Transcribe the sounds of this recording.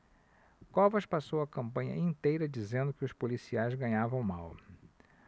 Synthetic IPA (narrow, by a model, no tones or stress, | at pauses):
kɔvɐʃpasowɐkɐ̃mpɐ̃ɲɐ̰ĩnt̪ejɾɐd͡ʒizẽnd̪ʊkɪʊspolisiajzɡɐ̃ɲavɐ̃w̃maw